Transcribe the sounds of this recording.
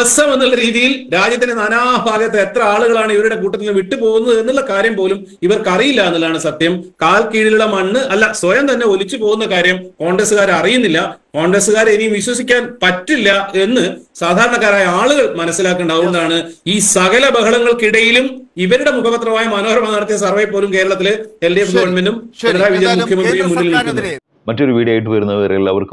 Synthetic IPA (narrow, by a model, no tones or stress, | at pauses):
ɐsɐmenːulːɐɾiːðijilɾaːd͡ʑjɐt̪ːinenɐnaːbʱaːɡjɐt̪ːeet̪rɐaːɭuɣɐɭaːɳɨiʋɐɾuɽe̞k̬uːʈːɐt̪ːilumʋiʈːɨpo̞ːɣunːɐðe̞nːuɭːɐkaːɾjɐmpoːlum | iʋɐrkɐrijilːɐenːɐlaːɳɨsɐt̪jɐmkaːlkiːɽiluɭːɐmɐɳːɨʔɐlːɐsʋɐjɐmt̪ɐnːe̞o̞lit͡ɕːupo̞ːɣunːɐkaːɾjɐmko̞ːɳɡrɐsɨɣaːɾɐrijunːilːɐko̞ːɳɡɾɐsɨɣaːɾenijːumʋiɕwɐsikʲːaːnpɐtːilːɐe̞nːɨsaːd̪ʱaːɾɐɳɐkːaːɾaːjɐaːɭuɣɐɭmɐnɐsːilaːkːɨɳɖaːɣuunɳːɐðaːɳɨiːsɐɣɐlɐbɐɦɐɭɐŋːɐɭkiɽɐjilumiʋɐɾuɽe̞mukʰɐpɐt̪rɐʋaːjɐmɐnoːɐɾɐmanːaːɽɐt̪̬ːijɐs̬ɐrʋɐjɐpːoːlumke̞ːɾɐɭɐt̪ːilɨeldeɡ̪ʱuʋɐɳmendumenɐɾaːjʋid͡ʑjɐmukʰjɐmɐnd̪rijumːunːilnilkʲːunːɐ | mɐtːo̞ɾuʋiːɽiaːjiʈ̬ːɨpɐɾunːɐɐ̰relːaːʋɐ̰rk